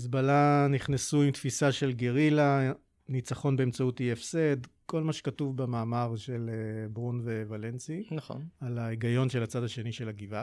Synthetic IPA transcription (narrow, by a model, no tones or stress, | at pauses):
is̬balaniχnesuimt̪fisaʃe̞lɡeʁila | nit͡saχo̞nbeemt͡sautiefsedko̞lmaʃe̥katuvbemaːmaʁʃelebʁunvevalensinaχo̰nalaeɡajo̞nʃe̞lat͡sadhaʃe̞niʃelaɡiva